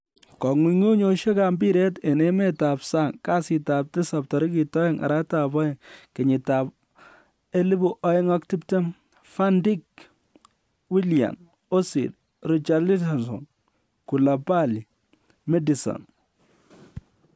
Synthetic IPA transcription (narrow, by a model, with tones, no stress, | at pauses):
kɔ˨ŋwi˨ŋu˦ɲo˨ʃe˦ka˨mbi˦ɾe˦te˨ne˦mɛ˦ta˨psa˦˨ŋka˦sɪ˨ta˨p̚tɪ˦sa˨p̚tɔ˨ɾi˦ki˨tɔ˦e˦ŋʔa̰˨ɾa˦ta˨bɔ˦ɪ˦˨ŋkɪ˨ɲɪ˨ta˨p | e˦li˦bu˦ʔɔ˦ɪ˦ŋɔ˦k̚ti˦pte˦m | fa˦ndi˦k̚ | wi˦lja̰˨n | o˦sḭ˨d̚ | ɾi˨t͡ʃa˨li˦ta˨nsɔ̰˨n | ku˨la˨pa˦li˨ | me˦di˨sɔ̰˨n